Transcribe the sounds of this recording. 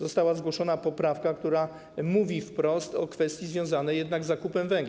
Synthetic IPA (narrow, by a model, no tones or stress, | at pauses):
zɔst̪awazɡwɔʂɔnapɔpɾafkakt̪uɾa | muvʲifpɾɔst̪ɔkfɛst̪ʲjizvʲjɔ̃w̃zanɛjɛd̪naɡzːakupɛmvɛŋɡ